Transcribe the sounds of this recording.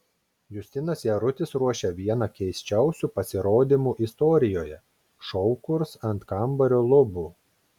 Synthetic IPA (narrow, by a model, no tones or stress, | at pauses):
jʊsʲt̪ʲɪnɐsjɛɾʊt̪ʲɪsɾuɔʃʲɛʋʲiɛnɐkʲɛɪsʲt͡ʃʲɛˑʊsʲuːpɐsʲɪɾoːd̪ʲimuːʔist̪ɔːɾʲɪjoːjɛ | ʃɔʊkʊɾsɐnt̪kɐmbɐɾʲolˠʊbuː